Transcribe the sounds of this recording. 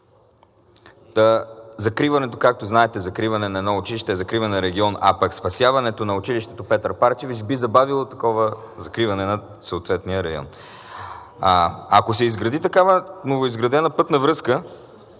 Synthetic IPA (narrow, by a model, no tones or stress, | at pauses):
əzɐkɾivɐnɛt̪okak̚t̪oznaɛt̪ɛzɐkɾivɐnɛnɐɛd̪nɔʊt͡ʃiliʃt̪ɛːzɐkɾivɐnɛəɾɛɡʲiɔna̰pɐkspɐsjavɐnɛt̪onɐʊt͡ʃiliʃt̪ɛt̪opɛt̪ɾpaɾt͡ʃɛvit͡ʃbizɐbavilˠot̪ɐkɔvə | zɐkɾivɐnɛnɐ | sɐot̪vɛt̪niəɾɐjɔ̰n | ɐkosɛizɡɾɐd̪it̪ɐkavənovoizɡɾɐd̪ɛnəpɤt̪nɐvɾɤskə